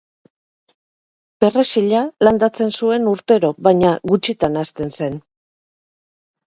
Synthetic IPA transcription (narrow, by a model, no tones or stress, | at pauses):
pe̞resiʎaland̪at͡se̞nsue̞nuɾt̪e̞ɾo̞βaɲaɣut͡ʃit̪anast̪e̞nse̞n